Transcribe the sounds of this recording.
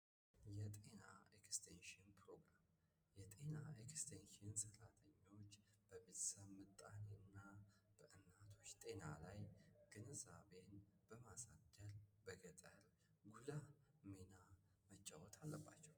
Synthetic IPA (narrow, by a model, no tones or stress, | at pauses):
jɛt̪ʼe̞naekst̪ʰenʃɨnpʰɾo̞ɡɾam | jɛt̪ʼe̞naekst̪ʰenʃɨnsəɾat̪ʰəɲːo̞t͡ʃː | b̥əβet̪ʰsəβmɨt̪ʼːaneɨnːab̥əʔɨnːat̪ʰot͡ʃːt̪ʼe̞na̰lajɡ̥ɨnəzaβenb̥əmasad̪əlbəɡət̪ʼəl | ɡulamena | mət͡ʃːawɔt̪ʰalːəbːa̰t͡ʃːɛw